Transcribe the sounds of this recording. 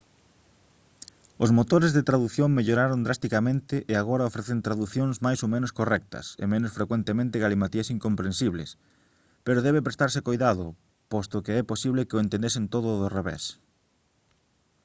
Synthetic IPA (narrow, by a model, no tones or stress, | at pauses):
ʊsmot̪oɾezðet̪ɾaðuθjoŋmeʎoɾaɾond̪ɾast̪ikamẽnt̪ɪʔɪaɣ̞oɾɐofɾeθent̪ɾaðuθjõŋsmajsomẽnʊskorɛk̚t̪ɐ̰sḛmẽnʊsfɾekwent̪emẽnt̪ɪɣalimat̪iɐsiŋkompɾẽnsiβlḛs | peɾoðɛβ̞epɾest̪aɾsekojðaðʊ | post̪okeɛposiβlekeoẽnt̪end̪esent̪oðʊðʊreβɛ̰s